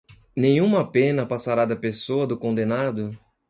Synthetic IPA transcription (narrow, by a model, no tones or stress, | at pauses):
nẽj̃ũmɐpẽnɐpasaɾad̪ɐpesoɐd̪ʊkõnd̪ẽnad̪ʊ